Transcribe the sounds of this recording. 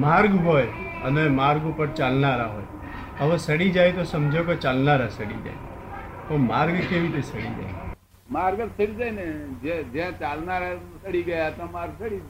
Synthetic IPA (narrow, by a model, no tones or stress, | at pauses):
maːɾɡɦoːjənemaːɾɡũpəɾt͡ʃalnaɾaɦo̰ːj | əʋesəɽid͡ʒajt̪osəmd͡ʒʱoket͡ʃalnaɾasəɽḭd͡ʒa̰ːe | t̪omaːɾɡkeʋit̪esəɽḭd͡ʒa̰j | maːɾɡəɾsɪɾd͡ʒaːjned͡ʒed͡ʒãt͡ʃalnaɾasəɽiɡəjat̪omaɾɡsəɽid͡ʒ